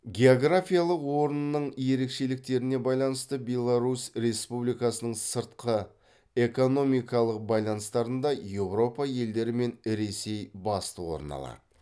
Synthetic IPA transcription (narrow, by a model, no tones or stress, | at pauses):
ɡʲe̞oɡrafʲijalˠəqwo̞ɾənənəɴje̞ɾe̞kʃe̞lɪk̚t̪e̞ɾɪne̞bɑjlˠɑnəst̪əbʲe̞lˠaɾusɾe̞spublijkɑsənəɴsəɾt̪qə | e̞ko̞no̞mijkɑlˠəq̚bɑjlˠɑnəst̪ɑɾənd̪ɑje̞vɾo̞pɑje̞ld̪e̞ɾɪme̞nɾe̞se̞jbɑst̪əwo̞̰ɾə̰nɑ̰lˠɑ̰